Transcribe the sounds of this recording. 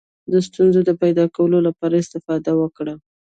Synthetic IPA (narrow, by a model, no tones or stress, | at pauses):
d̪əs̬t̪unzod̪əpajd̪ɑkawəlolapɑɾaɪst̪ɪfɑd̪awəkɽa